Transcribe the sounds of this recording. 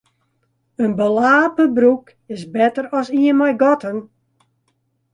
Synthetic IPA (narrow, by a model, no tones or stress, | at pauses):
ənbəlaːpəbɾuk | ɪsbɛtərɔsiəmajɡɔtən